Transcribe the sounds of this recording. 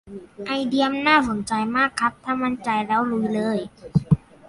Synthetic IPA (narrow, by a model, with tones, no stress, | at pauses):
ʔa˧jdi˧əmnaː˥˩so˩˦nt͡ɕa˧jmaː˥˩kʰːa˦˥p̚t̪ʰaː˥˩ma˦˧˥nt͡ɕa˧jlɛː˦˥wlu˧jlɤː˧˩j